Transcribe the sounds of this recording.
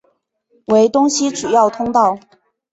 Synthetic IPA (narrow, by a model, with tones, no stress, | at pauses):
we˧˥ɪt̪ʊ˥ŋɕi˥ʈ͡ʂu˨˩jɑ˥˩ʊt̪ʰʊ˥ŋt̪ɑ˥˩ʊ